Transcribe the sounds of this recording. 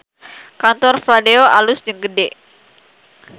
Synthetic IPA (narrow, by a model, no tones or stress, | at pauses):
kant̪ɔrfladeoʔalʊsd͡ʒəŋɡədɛ